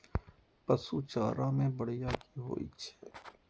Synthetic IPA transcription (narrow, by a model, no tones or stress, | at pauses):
pɐsuːt͡ʃaːɾamẽbɐɽ̤ijaːkiɦo̰ːḭt͡ʃʰɛ̥ː